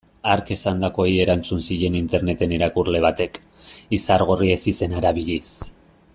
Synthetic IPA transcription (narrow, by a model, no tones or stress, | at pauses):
aɾke̞sand̪ako̞ie̞ɾant͡sunsiʎe̞nint̪e̞ɾne̞t̪e̞neɾakurle̞β̞at̪e̞k | isaɾɣ̞orie̞sise̞naɾaβiʎis